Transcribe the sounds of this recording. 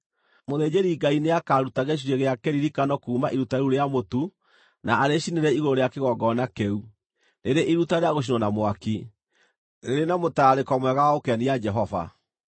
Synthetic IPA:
moðed͡ʑeɾiɡaineakaːɾutaɣeʃ̬iɾeɣeakɛɾiɾikanɔkuːmaʔiɾutaeɾuɾeamotu | naːɾeɕineɾɛiɣoɾoɾeakeɣɔɡɔnakɛu | neɾeʔiɾutaɾeaɣoʃ̬inɔnamwaki | ɾeɾenamotaɾekɔmwɛɣawaokɛniad͡ʒɛɦɔva̰

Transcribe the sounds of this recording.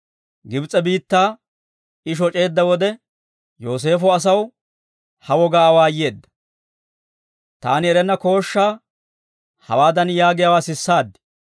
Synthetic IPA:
ɡɪbt͡sʼːɛbiːt̪ːaː | ɪʃ̬ɔt͡ʃʼe̞ːd̪ːɐwɔd̪ɛ | jo̞ːs̬e̞ːfɔɐs̬ɐw | hɐwɔɡaːwaːjːe̞ːd̪ːɐ̥ | t̪a̰ːnɪɛɾɛnːɐko̞ːʃːaː | hɐ̰waːd̪ɐnjaːɡɪjawaːsɪsːaːd̪ːɪ̥

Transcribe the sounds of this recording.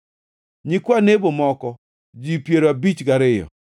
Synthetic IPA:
ɲikwanebomɔkɔ | d͡ʒipjeɾoabit͡ʃɡaɾɪjɔ̰

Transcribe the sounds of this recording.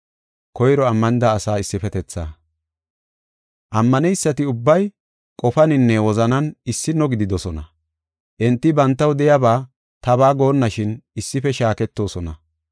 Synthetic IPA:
kɔjɾɔɐmːɐnɪd̪aːsaːɪsːɪfɛt̪ɛt͡sːa̰ː | ʔɐmːɐnɛjsːɐt̪ɪʊbːɐj | kʼɔfɐnɪnːɛwɔzɐnɐnɪsːɪnɔɡɪd̪ɪd̪ɔsɔnɐ̰ | ʔɛnt̪ːɪbɐnt̪ːɐwd̪ɛjɐbaː | t̪ɐbaːɡo̞ːnːɐʃɪnɪsːɪfɛʃaːkɛt̪ːo̞ːsɔnɐ̰

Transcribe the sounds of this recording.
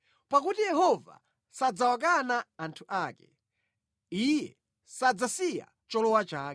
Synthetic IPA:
pakutijɛɦɔva̰ | sad͡zawak̬anaːntʰuʔaːkɛ̥ | ijɛ̰ | sad͡zasija̰ | t͡ʃɔlɔwat͡ʃaːkɛ

